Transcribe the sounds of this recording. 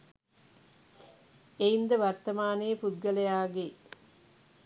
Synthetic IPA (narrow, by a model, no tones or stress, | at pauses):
eind̪əʋɐrt̪ɐmaːnejːpud̪ɡɐlɐjaːɡe